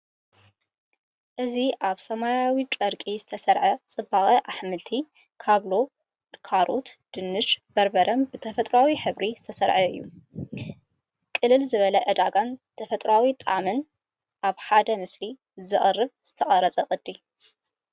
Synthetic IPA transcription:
ʔɨziʔaβsɐmajawit͡ʃʼɐɾkʼizɨt̪ʰɐsɐɾʕɐt͡sʼɨbːaχʼɐʔaħmɨlt̪ʰi | kʰaβlo | kʰaɾʔot̪d̪̥ɨnːɨʃbɐɾbɐɾʔɐmbɨt̪ʰɐfɐt̪ʼɾawiħɨβɾizɨt̪ʰɐsɐɾʕɐɨjːṵ | kʼɨlɨlzɨβɐlɐʕɨd̪aɡant̪ʰɐfɐt̪ʼɾawit̪ʼa̰mɨn | ʔaβħad̪ɐmɨsli | zɨχʼɨrːɨβz̥ɨt̪ʰɐχʼɐɾɐt͡sʼɐqʼɨd̪ːi

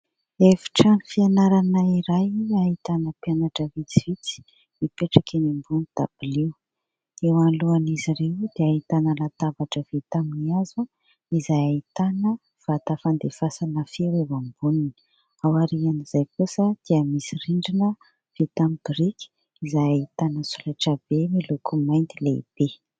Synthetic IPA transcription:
efi̥ʈ͡ʂanifianaɾanəiɾajaɦit̪anəpjanaʈ͡ʂəvit͡si̥vit͡si̥ | mipeʈ͡ʂakinimbunid̪̥a̰b̥ilew | ewanluanizirewd̪̥eaɦit̪anəlat̪avaʈ͡ʂəv̥et̪aminiazu | izajait̪anə | v̥at̪afand̪efasanəfewevambunini | awaɾianiz̥ajkusəd̪̥iəmisiriɳɖ͡ʐinə | v̥et̪amib̥iɾikʲi̥ | izajait̪anəsulaʈ͡ʂəb̥emilukumajnt̪ilḛḭb̥e

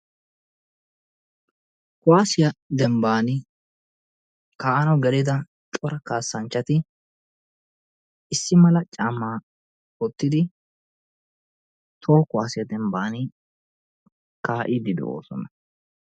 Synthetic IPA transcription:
kʊwaːsɪjɐd̪ɛmbaːnɪ | kaːʔɐnɐwɡɛlɪd̪ɐ | t͡ʃʼɔɾɐkaːsːɐnt͡ʃːɐt̪ɪ | ɪsːɪmɐlɐt͡ʃʼaːmːaː | ɔt̪ːɪd̪ɪ | t̪ʰoːkʊwaːsɪjɐd̪ɛmbaːnɪ | kaːʔɪd̪ɪd̪ɛ̰wo̰ːsɔ̰nɐ

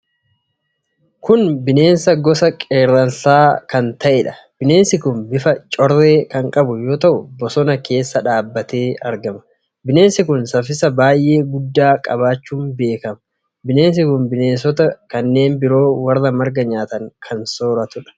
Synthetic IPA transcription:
kʊnbɪne̞ːnsɐɡɔsɐkʼe̞ːrːɐnsaːkɐnt̪ɐʔɛᶑɐ̥b̥ɪne̞ːnsɪkʊnbɪfɐt͡ʃʼɔrːeːkɐŋkʼɐbʊjo̞ːt̪ɐʔʊbɔsɔnɐkʰe̞ːsːɐᶑaːbːɐt̪e̞ːɐɾɡɐmɐ̥ | bɪne̞ːnsɪkʊnsɐfɪsɐbaːjʔe̞ːɡʊd̪ːaːkʼɐβaːt͡ʃːuːnbe̞ːkɐmɐ̥ | bɪne̞ːns̬ɪkʊnbɪne̞ːnsɔt̪ɐkɐnːe̞ːnbɪɾo̞ːwɐɾːɐmɐɾɡɐɲaːt̪ɐŋkʰɐnso̞ːɾɐt̪ʊᶑɐ̥

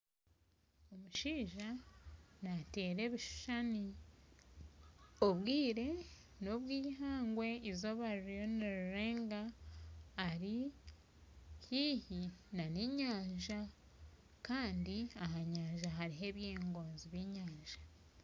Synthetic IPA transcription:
o̞muʃiːʒa | nate̞ːɾe̞ːβiʃu̥ʃani | oβwiːɾe̞ | no̞βwiːɦaːŋɡwe̞izo̞βaɾiɾijoniɾuɾe̞ːŋɡaː | ɾi | hiːhinaniɲaːɲʒa | kaːndiaɦaɲaːɲʒaɦaɾiɦe̞ːβjeːŋɡo̞ːnziβjeːɲaːɲʒa

